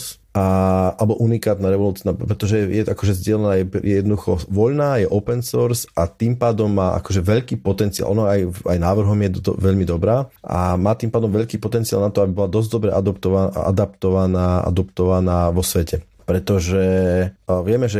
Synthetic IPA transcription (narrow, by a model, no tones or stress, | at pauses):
s | aalɛbɔʔunikaːt̪naɾɛʋɔlut͡snapɾɛt̪ɔʒɛɛjɛʔakɔʒɛzɟɪɛlɛnaːjɛpjɛjɛd̪nɔd̪uxɔʋɔʎnaːjɛʔɔpɛnsɔɾsat̪iːmpaːd̪ɔmːaːʔa̰kɔʒɛʋɛʎkiːpɔt̪ɛntt͡sia̰lˠʔɔnɔaja̰jnaːʋr̩ɦɔmjɛɔ̰ʋɛʎmid̪ɔbɾaːʔa̰maːt̪iːmpaːd̪ɔmʋɛʎkiːpɔt̪ɛnt͡sia̰lnat̪ɔabibɔlad̪ɔzɟd̪ɔbɾɛʔad̪ɔpt̪ɔʋaa̰d̪apt̪ɔʋanaːʔa̰d̪ɔpt̪ɔʋanaːʋɔsʋɛcɛ | pɾɛt̪ɔʒɛ | ʋɪɛmɛʒɛ